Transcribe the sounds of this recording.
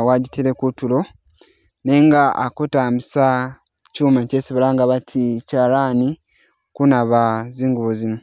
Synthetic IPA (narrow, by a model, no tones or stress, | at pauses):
waɟitʰelekutulo̞ | ne̞ŋɡaa̰kotamisa | cuːmacesiβalaŋɡaβatʰicaɾani | kunaβaziːŋɡuβozino